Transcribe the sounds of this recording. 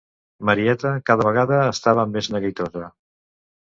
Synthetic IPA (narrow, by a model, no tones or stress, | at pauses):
məɾiɛt̪əkaðəβ̞əɣ̞aðəːst̪aβəmːeznəɣit̪ozə